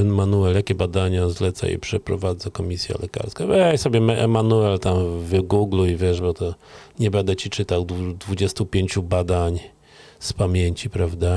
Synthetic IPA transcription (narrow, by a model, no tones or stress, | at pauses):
ɛnmanuɛljakʲɛbad̪aɲazlɛt̪sa̰ḭpʂɛpɾɔ̰vad̪zakɔmʲisʲja̰lɛka̰ɾskabɛjsɔbʲjɛmɛʔɛmanuɛlt̪amvɘɡuɡluivʲjɛʐbɔt̪ɔɲɛbɛnd̪ɛt͡ɕit͡ʂɘt̪awd̪ud̪vud͡ʑɛst̪upʲjeɲt͡ɕubad̪aɲ | spamʲjeɲt͡ɕipɾavd̪a